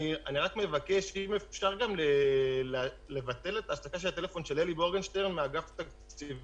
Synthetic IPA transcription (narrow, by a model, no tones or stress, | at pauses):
ianiʁakme̞vake̞ʃimefʃaʁɡamlele | levat̪e̞let̪aːʃtakaʃeat̪e̞lefo̞nʃeleliboɡenʃteʁmeaɡaft̪akt͡siv